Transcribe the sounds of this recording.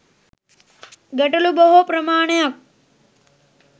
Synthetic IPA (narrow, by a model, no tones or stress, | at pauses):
ɡɐʈɐlubɐɦopɾɐmaːɳejɐk̚